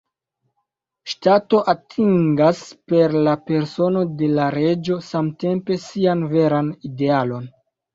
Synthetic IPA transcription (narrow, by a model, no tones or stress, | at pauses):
ʃtato̞ʔatʰiŋɡaspe̞ɾlape̞ɾso̞no̞de̞laɾe̞d͡ʒo̞samte̞mpe̞sianve̞ɾanide̞alo̞n